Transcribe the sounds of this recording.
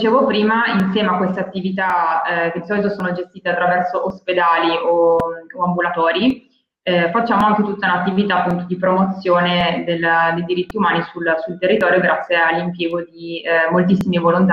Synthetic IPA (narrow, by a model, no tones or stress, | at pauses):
t͡ʃeːvopɾiːmainsjɛːmeakːwest̪eat̪ːivit̪ak̟ed̪isɔːlit̪osoːnod͡ʒest̪iːt̪eat̪ːɾavɛrsoʔosped̪aːliʔooambulat̪ɔːɾi | fat͡ʃːaːmoaŋk̟et̪ut̪ːaunat̪ːivit̪aːpːunt̪od̪ipɾomot̪sːjoːned̪elːd̪ejd̪iɾit̪ːiumaːnisulsult̪erːit̪ɔːɾjoɡɾat̪sːjealːimpjeːɡod̪imolt̪isːimevolont̪